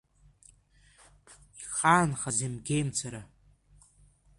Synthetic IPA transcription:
iχaːnχazemɡʲejmt͡sʰaɾa

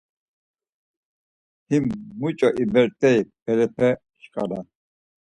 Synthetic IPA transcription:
himːut͡ʃʼɔʔibɛɾt̪ʼɛib̥ɛlɛpʰɛ | ʃkʼalan

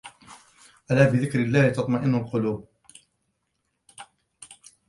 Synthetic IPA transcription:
ʔalaːbɪðɪkɾɪlːaːlɪt̪ɑt̪ˤmɑʔɪnːʊlqʊluːb̚

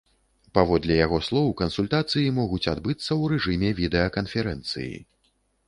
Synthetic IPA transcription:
pavɔd̪lʲɛjaɣɔslˠɔwkɐnsulʲt̪at̪sɨjimɔɣut͡sʲad̪bɨt̪sːɐwɾɛʐɨmʲɛvʲid̪ɛjɐkɐnfʲɛɾɛnt̪sɨ̰jḭ

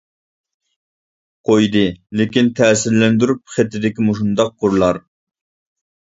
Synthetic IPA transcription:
qʰojd̪ɨlɪkʲint̪ʰɛːsɪɾlɛnd̪yɾup̚χet̪ːɪd̪ɪkʲimoʃ̬und̪ɑq̚qʊɾlˠɑɾ

